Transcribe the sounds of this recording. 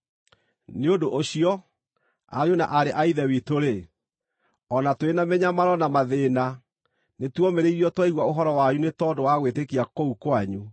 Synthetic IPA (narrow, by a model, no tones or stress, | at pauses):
neodoʔoɕiɔ | a̰ɲuna̰ʔaɾeʔaiðɛwitoɾe | ɔnatwenamɛɲamaɾɔnamaðeːna | netwɔmeɾeiɾiɔtwaiɣwaoɦɔɾɔwaɲunetɔdowaɣwetekiakoukwaɲu